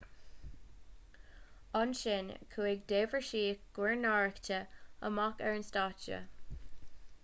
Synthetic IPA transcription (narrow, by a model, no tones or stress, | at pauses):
anʃɪnkʰuɪɡdeːvəɹʃiːɡ̥wɪɹnaɹəktəə̰makɛɹənstaːt͡ʃə̰